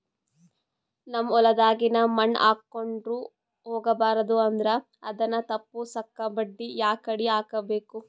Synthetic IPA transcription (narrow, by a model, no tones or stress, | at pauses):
nɐmːɔlɐd̪aːɡinɐmɐɳːa̰ːkːoɳɖɾu | hɔːɡɐbaːɾɐd̪uɐnd̪ɾɐ | ɐd̪ɐnːɐt̪ɐpːusɐkːɐbɐɖːijaːkɐɽiaːkɐbeːku